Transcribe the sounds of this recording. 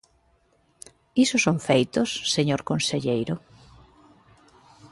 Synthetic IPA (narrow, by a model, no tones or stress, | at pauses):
isʊsoŋfejt̪ʊsːeɲoɾkonseʎejɾʊ